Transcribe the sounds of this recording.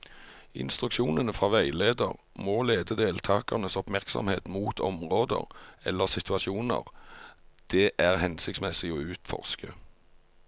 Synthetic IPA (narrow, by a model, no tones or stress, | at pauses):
ɪ̰nst̪ʁʉkʃuːnənəfʁɑːʋæɪleːd̪ə̰ʁ | moːleːd̪əd̪eːlt̪ʰɑːkɑʁnəsɔpmæʁksɑ̰mheːt̪muːt̪ʰɔ̰mʁoːd̪ə̰ʁɛ̰lːəʁsɪt̪ʉɑʃuːnə̰ʁ | d̪̥ɛʔæʁhɛnsɪkt̪smɛsɪoːʉːt̪fɔ̰ʁskə